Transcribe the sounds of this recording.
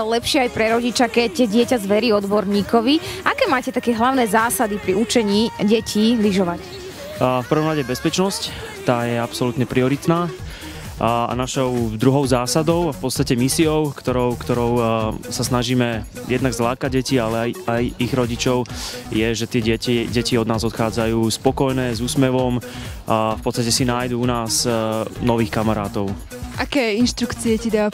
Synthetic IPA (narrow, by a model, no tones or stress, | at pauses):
lɛpʃɪɛajpɾɛɾɔɟit͡ʃakɛcːɛɟɪɛcazʋɛɾiɔd̪bɔɾɲiːkɔʋiʔakɛːmaːcɛt̪akɛːɦlaʊnɛːzaːsad̪ipɾiut͡ʃɛɲiːɟɛcʰiːliʒɔʋac | fpər̩ʋɔmɾaɟɛbɛspɛt͡ʃnɔsc | t̪aːjɛapsɔlut̪ɲɛpɾiɔɾit̪naː | a̰naʃɔʊd̪ɾuɦɔʊzaːsad̪ɔʊafpɔt̪st̪acɛmisiɔʊkt̪ɔɾɔʊkt̪ɔɾɔʊsasnaʒiːmɛ | jɛd̪naɡzlaːkaɟ̚ɟɛcialɛajajiɣɾɔɟit͡ʃɔʊjɛʒɛt̪ɪɛɟɛciɟɛciɔd̪naːzɔt̪xaːd͡zajuːspɔkɔjnɛːzuːsmɛʋɔm | fpɔt̪st̪acɛsinaːjd̪uunaːznɔʋiːxkamaɾa̰ːt̪ɔʊ | ʔakɛːinʃt̪ɾukt͡siɛcid̪a